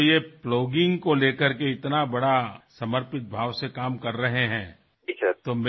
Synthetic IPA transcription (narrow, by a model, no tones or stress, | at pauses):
jeploːɡɪ̃ŋɡkoleːkəɾkeɪt̪nabɐɽasɐməɾpɪt̪̚bʱaːʋsekaːmkɐɾːɐɦeɦɛ̃ː | d͡ʒit͡ʃɐt̪oːm